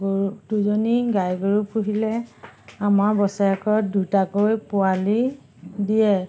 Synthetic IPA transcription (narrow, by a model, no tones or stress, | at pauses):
duzoniɡajɡoɹupuɦilɛamaɹbɔsaakɔdutakojpʊali | dijɛ